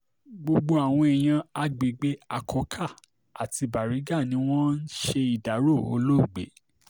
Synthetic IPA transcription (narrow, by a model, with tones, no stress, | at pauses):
ɡ͡bo˧ɡ͡bo˧a˨w̃ɔ̃˧ɛ˨j̃ã˧a˧ɡ͡be˨ɡ͡be˨˦a˧kʰɔ˧kʰa˦˨ | a˨ti˧ba˨ɾi˨˦ɡa˦˨nĩ˨˦w̃ɔ̃˦n̩˦ʃe˧i˨da˨˦ɾo˦˨o̰˧lo˦˨ɡ͡bḛ˨˦